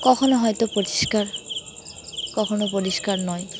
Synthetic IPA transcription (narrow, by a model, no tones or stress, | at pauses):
kɔkʰɔnoɦɔjtɔpoti̥skaɹ | kɔkʰɔnopoɹiskaɹnɔj